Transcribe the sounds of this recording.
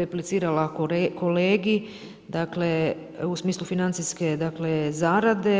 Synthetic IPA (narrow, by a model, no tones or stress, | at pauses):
eplit̪siːɾalakoleːɡi | d̪akle̞ | usmiːslˠufinant̪siske̞d̪akle̞zaːɾad̪e̞